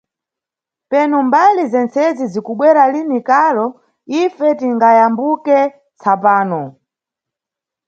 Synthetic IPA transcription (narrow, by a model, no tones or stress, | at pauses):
pɛnumbalizɛnt͡sɛzizikuɓwɛɾalinikalɔ | ifɛtiŋɡajambukɛ | t͡sʰapaːnɔ